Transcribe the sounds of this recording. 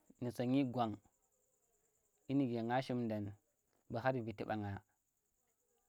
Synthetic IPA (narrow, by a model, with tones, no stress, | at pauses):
ni˨sa˨ŋi˦ɡʷa˨ŋ | i˦ni˨ɡe˨ŋa˦ʃi˦mda˨n | ba˨ɦa˦ɾi˨vi˨ti˦ɓa˨ŋa˨